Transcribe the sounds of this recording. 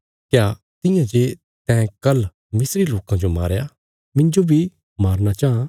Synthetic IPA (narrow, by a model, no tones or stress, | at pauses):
kjaː | t̪ɪjãd͡ʒe | t̪ɛ̃kɐl | mɪsɾiloːkãd͡ʒoma̰ːɾja | mɪ̃nd͡ʒobʱi | maːɾnat͡ʃaːɦã